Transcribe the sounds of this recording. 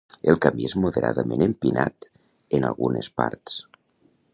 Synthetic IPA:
elˠkamiezmoðeɾaðəmenempinat̪ | enalˠɣunespaɾt̪s

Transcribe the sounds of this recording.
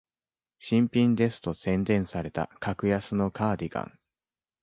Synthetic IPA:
ɕĩmpʲĩnd̪e̞sɨ̥t̪o̞sẽ̞nd̪ẽ̞ɰ̃saɾe̞t̪a̰kʰakɯ̟jasɨno̞kaːd̪ʲiɡã̰ŋ

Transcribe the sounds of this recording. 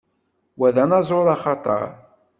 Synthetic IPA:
wæðænɑzˤoɾˤɑχɑt̪ˤɑ̰ɾˤ

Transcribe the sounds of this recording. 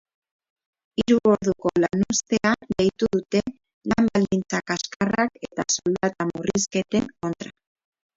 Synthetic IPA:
iɾuo̞ɾðuko̞lanust̪e̞adejt̪uðut̪e̞ | lambald̪int͡sakaskarake̞t̪asold̪at̪amuriske̞t̪e̞ŋko̞nt̪ɾa

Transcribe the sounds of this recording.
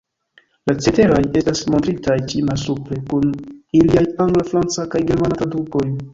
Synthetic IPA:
lat͡sete̞ɾoje̞stasmo̞ntɾitajt͡ʃimasupɾe̞kuniliajaŋɡlafɾant͡sakajɡe̞ɾmanatadupo̞j

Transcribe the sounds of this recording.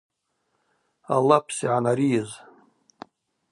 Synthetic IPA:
a̰lːapʰsiʕanaɾijɪz

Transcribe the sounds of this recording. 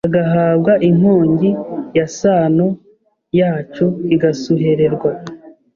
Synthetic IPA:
aɡaɦaːbɡaʔin̥hoːɲɟijasaːno̞ | jaːt͡ʃuiɡasuɦe̞ɾe̞ɾɡwa

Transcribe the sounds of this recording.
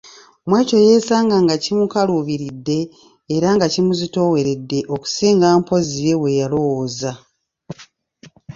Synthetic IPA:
omwe̞ːco̞je̞ːsaːŋɡaŋɡacimukaluːβiɾidːe̞ː | ɾaŋɡacimuzito̞we̞ɾe̞dːe̞ʔo̞ku̥siːŋɡaːmpo̞ziɾe̞we̞jalo̞woza

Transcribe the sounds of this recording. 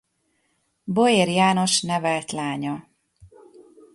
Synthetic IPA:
bo̞eːɾjaːno̞ʃnɛvɛlt̪laːɲɒ

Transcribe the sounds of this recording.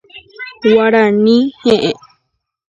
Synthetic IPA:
waɾanĩhẽʔẽ

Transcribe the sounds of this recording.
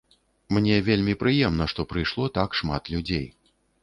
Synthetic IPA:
mnʲɛvʲelʲmʲipɾɨjɛmnɐʂt̪ɔpɾɨjʂlˠɔt̪akʂma̰t̪lʲud͡zʲej

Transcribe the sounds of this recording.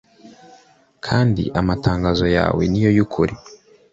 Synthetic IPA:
kʰaːndḭʔamataːŋɡazo̞ja̰ːwe̞̰nijo̞jukʰuɾi

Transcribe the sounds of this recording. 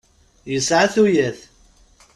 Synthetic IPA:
jəsʕaθujəθ

